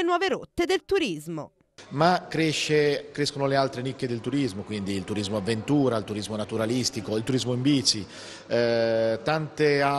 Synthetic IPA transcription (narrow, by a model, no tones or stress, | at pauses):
enwɔːveɾot̪ːed̪elt̪uɾizmo̰ | makːɾeʃːekɾeskonolealt̪ɾenikːed̪elt̪uɾizmokwind̪iːlt̪uɾizmoavːent̪uːɾailt̪uɾizmonat̪uɾalist̪ikoilt̪uɾizmoimbiːsi | t̪ant̪ea